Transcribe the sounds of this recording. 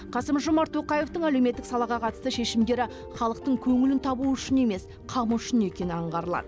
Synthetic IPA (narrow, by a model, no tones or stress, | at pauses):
qʰɑsəmʒʊmɑɾt̪ʰːo̞qɑjeft̪əɴælewme̞t̪ːɪksɑlˠɑʁɑqʰɑt̪əst̪əʃe̞ʃɪmd̪e̞ɾɪ | χɑlˠəq̚t̪əɴkʲʰɵŋɪlɪnt̪ʰɑbuʏʃɪne̞me̞s | qʰɑməʏʃɪne̞kʲe̞nɪɑɴʁɑɾəlˠɑ̰d̪